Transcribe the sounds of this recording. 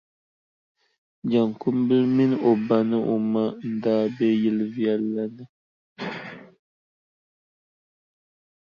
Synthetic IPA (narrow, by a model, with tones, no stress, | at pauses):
d͡ʒa˨ŋku˦mbɨ˦lmi˦no˨ba˨nɨ˦ʔo˨ma˦n̩˦daː˦be˦ji˦lvjɛ˦lːa˦nɨ˦